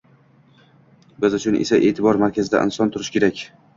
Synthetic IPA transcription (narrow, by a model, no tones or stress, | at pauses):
bɪzʊt͡ʃʰʊnʔḛsaʔe̞ːt̪ʰɪbɒɾmaɾkʲazɪd̪a̰ʔɪ̰nsɒnt̪ʰʊɾɪʃkʲʰe̞ɾakʲ